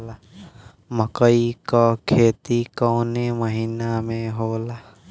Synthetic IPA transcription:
la | məkəikakʰeːt̪ikɔːneməɦiːnamẽɦoːlaː

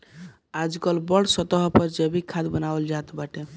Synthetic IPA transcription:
ad͡ʒkəlbəɽsət̪əɦpəɾd͡ʒəbikʰad̪bənabəld͡ʒat̪baʈe

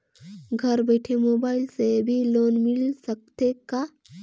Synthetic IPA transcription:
ɡʱəɾbəjʈʰemoːbaːɪilsebʱiloːnmilsək̚t̪eka

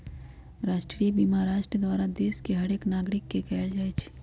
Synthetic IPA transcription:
ɾaːʃʈɾiːbiːmaːɾaːʃʈɾəd̪ʋaːɾad̪eːskeɦɐɾeːknaːɡɾɪkːekɛːld͡ʒaːet͡ʃʰ

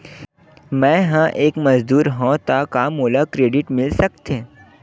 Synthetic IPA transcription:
mɛ̃ɦãʔeːkmɐzd̪uːɾɦõt̪akamoːlakɾeːɖɪʈmɪlsəkt̪ʰẽ

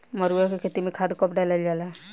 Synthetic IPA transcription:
məɾujakekʰet̪imẽkʰad̪kɔpɖalald͡ʒaːla

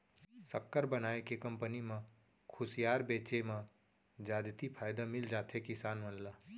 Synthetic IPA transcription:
səkːəɾbənaːekekə̃mpənimã | kʰʊsijaːɾbeːt͡ʃemã | d͡ʒaːd̪t̪ipʰaːjd̪amɪld͡ʒaːt̪ʰekɪsaːnmənlaː

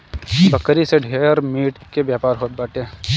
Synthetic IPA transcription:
bɐkəɾiseɖʱeːɾmiːʈkebjaːpaːɾɦoːt̪̚baːʈeː

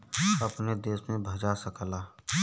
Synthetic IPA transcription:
əpned̪eːsmẽbʱəd͡ʒasəklaː

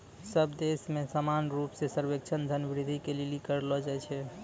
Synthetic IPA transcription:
səbd̪esmesamanɾupsesəɾbek̚t͡ʃʰənd͡ʒʱənbɾid̪ʱikelilikəɾlɔd͡ʒajt͡ʃʰɛ

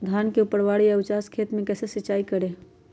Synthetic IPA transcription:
d̪ʱankeupəɽʋaɽiəbt͡ʃaskʰet̪mẽkɛsesit͡ʃaikəɾe

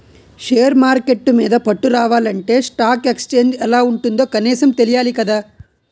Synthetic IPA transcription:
ʃeːɐɾmaːɾkeʈːumeːd̪ɐpɐʈːuɾaːʋaːlɐɳʈe̞sʈaːkekst͡ʃeːɲd͡ʒɛlːaːuɳʈund̪oːkɐniːsɐmt̪elijaːlikɐd̪ɐ

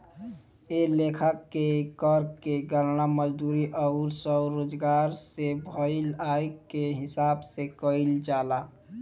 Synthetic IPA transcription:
elekʰəkːekəɾkeɡəɾnaməd͡ʒd̪uɾiʔəʊɾsəwɾod͡ʒɡaɾsebʱəɪlajkeɦɪsabsekəɪld͡ʒala

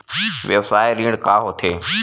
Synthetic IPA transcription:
ʋeʋsaːeɾĩːɽ̃kaːɦot̪ʰeː

